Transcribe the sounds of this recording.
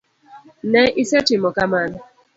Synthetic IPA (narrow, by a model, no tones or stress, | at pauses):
nɛisetimɔkamana